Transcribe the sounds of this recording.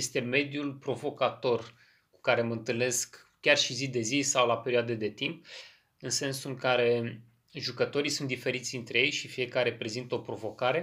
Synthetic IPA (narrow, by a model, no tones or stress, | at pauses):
jest̪e̞me̞d̪julpɾo̞vo̞kat̪o̞r | ku̥kaɾe̞məɨnt̪ɨlne̞sk | kʲarʃizid̪e̞zisawlapeɾioad̪ed̪e̞t̪imp̚ | ɨnse̞nsuŋkaɾe̞ | ʒukət̪o̞ɾijsunt̪d̪ife̞ɾit̪sʲd̪int̪ɾeje̞jʃifije̞kaɾe̞pɾe̞zint̪əo̞pɾo̞vo̞kaɾe̞